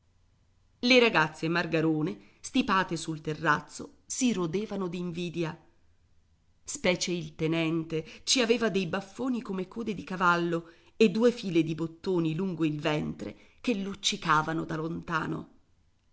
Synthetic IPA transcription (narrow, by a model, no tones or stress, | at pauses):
leɾaɡat̪sːemarɡaɾoːne | st̪ipaːt̪esult̪erːat̪sːo̰ | siɾod̪eːvanod̪iɱviːd̪ja | spɛːt͡ʃeilt̪enɛnt̪et͡ʃiaveːvad̪ejbafːoːnikomekoːd̪ed̪ikavalːo | ed̪ːuːefiːled̪ibot̪ːoːniluŋɡoilvɛnt̪ɾḛ | k̟elːut͡ʃːikaːvanod̪alont̪aːno̰